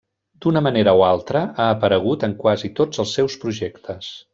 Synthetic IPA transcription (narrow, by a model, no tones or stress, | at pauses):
d̪̥unəməneɾəoalˠt̪ɾəaəpəɾəɣ̞ut̪əŋkwazit̪od͡zəlˠsːɛwspɾuʒekt̪ʰəs